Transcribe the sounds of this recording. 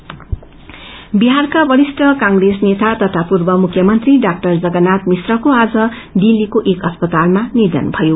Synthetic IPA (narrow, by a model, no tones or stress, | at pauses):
biɦarkabʌɾisʈʌkãŋɡresnet̪at̪ʌt̪ʰapurbʌmukʰːjʌmʌnt̪riɖak̚ʈʌrd͡zʌɡʌnat̪misrʌkoad͡zʌ | ɖilːikoʔekʌspʌt̪almanird̪ʌ̰nbʱʌjo